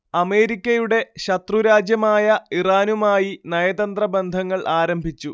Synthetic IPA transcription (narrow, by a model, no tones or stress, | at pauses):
ɐme̞ːɾikʲːɐjuɽe̞ɕɐt̪ruɾaːd͡ʑjɐmaːjɐiraːnumaːjinɐjɐd̪ɐnd̪rɐbe̞nd̪ʱɐŋːɐɭʔaːɾɐmbʱit͡ɕːu